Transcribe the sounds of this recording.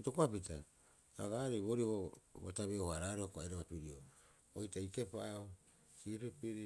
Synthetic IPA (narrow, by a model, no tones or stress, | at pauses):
tokoapita | aɡaɾeβoɾiβoβataβeohaɾaɾoakoajɾaβapiɾio | ojtaikepao | sipepiɾi